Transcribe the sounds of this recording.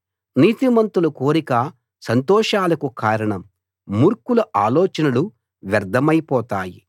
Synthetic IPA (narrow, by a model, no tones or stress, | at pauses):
niːt̪imɐnt̪ulukoːɾikɐ | sɐnt̪ɔːʂaːlɐkukaːɾɐɳɐmː | uɾkulɐʔaːlɔːt͡ʃɐnɐlu | ʋɐɾd̪ʱɐmɐjpɔːt̪aːji